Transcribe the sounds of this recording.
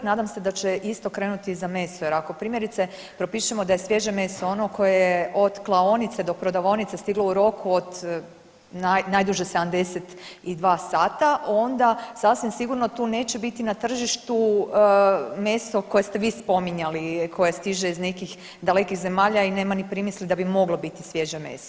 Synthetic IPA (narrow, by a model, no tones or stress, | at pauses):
naːd̪amse̞d̪at͡ɕeʔist̪o̞kɾe̞nut̪izame̞ːst̪ojeɾako̞pɾiːmje̞ɾit̪se̞ | pɾo̞piʃemo̞d̪ajesʋje̞ʒeme̞st̪oono̞kʰo̞jejʔod̪klˠaonit̪sed̪o̞pɾo̞d̪aʋo̞nit̪sest̪iɡlouɾo̞kʰuod̪ | najnajd̪uʒesed̪amd̪e̞set̪id̪ʋaːsaːt̪aʔo̞nd̪asasʋimsiɡuɾnot̪uːne̞ːt͡ɕe̞bit̪inat̪r̩ʒiʃt̪u | me̞st̪o̞ko̞je̞st̪eʋiːspo̞miɲalikʰo̞je̞st̪iʒeizne̞kix | d̪ale̞kixze̞maːʎaineːmanipɾimislid̪abimo̞ɡlobit̪isʋje̞ʒeme̞̰ːst̪o